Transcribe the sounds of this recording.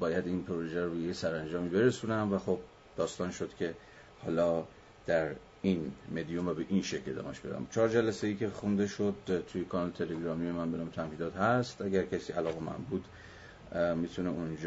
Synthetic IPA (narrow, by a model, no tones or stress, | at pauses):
bɒːjæd̪iːnpʰoɾoʒeɾujejesæɾænd͡ʒɒːmiːbe̞ɾesunæmvæxob̥̚ | d̥̪ɒːst̪ɒːnʃod̪cʲʰe̞ | hɒ̰ːlɒː | d̪̥æɾ | inme̞d̪ijomvæbe̞ʔinʃe̞cle̞d̪ɒ̰ːmæʃb̥e̞d̪æ̰mt͡ʃʰɒːɾd͡ʒælæsejiːcʰe̞xund̪e̞ʃo̞d̪̚t̪ʰujekʰɒnɒːlet̪ʰe̞leɡɾɒːmije̞mænbe̞nɒːmet̪ʰæmhiːd̪ɒːt̪hæst̪ʔæɟæɾcʰæsiːʔælɒːɣemæ̰nbuːd̪ | mit̪ʰuneund͡ʒ